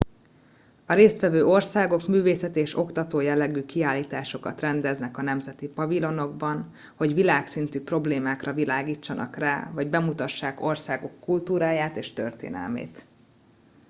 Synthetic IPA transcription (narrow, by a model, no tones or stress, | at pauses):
ɒɾeːst̪ʋɛvøːʔo̞rsaːɡo̞kmyːveːsɛt̪eːʃo̞kt̪ɒt̪oːjɛlːɛɡyːkiaːlːiːt̪aːʃo̞kɒt̪rɛnd̪ɛznɛkɒnɛmzɛt̪ipɒvilo̞no̞ɡbɒn | ho̞ɟʋilaːksint̪yːpro̞bleːmaːkrɒvilaːɡiːt͡ʃːɒnɒ̰kraːvɒɟbɛmut̪ɒʃːaːko̞rsaːɡo̞kːult̪uːɾaːjaːt̪eːʃt̪ø̰rt̪ḛːnɛ̰lmḛːt̪